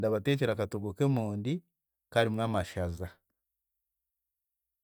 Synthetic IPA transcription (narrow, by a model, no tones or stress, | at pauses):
ndaβate̞ːceɾakatuɡokemuːndi | kaɾimŋaːmaʃaza